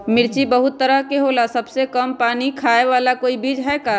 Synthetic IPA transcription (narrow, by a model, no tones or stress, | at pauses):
mɪɾt͡ʃibəɦʊt̪ːəɾəɦkeɦoːlasɐbsekəmpaːnikʰaːeʋaːlakoːibiːd͡ʒɦɛːkaː